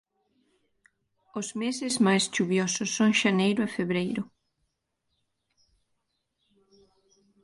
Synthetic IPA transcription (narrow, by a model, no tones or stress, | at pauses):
ʊzmesɪzmajst͡ʃuβjɔsʊsːõŋʃanejɾʊɐfeβɾejɾʊ